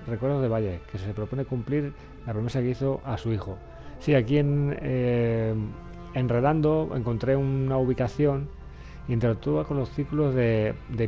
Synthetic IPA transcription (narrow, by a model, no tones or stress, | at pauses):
rekweɾðozðe̞βaʎekese̞pɾopo̞nekumpliɾ | lapɾomesakeiθoʔasuixo | siakien | enreðand̪oḛŋko̞nt̪ɾe̞unauβ̞ikaθjo̞ŋ | iint̪eɾak̚t̪uβako̞nlo̞sθikulozðed̪e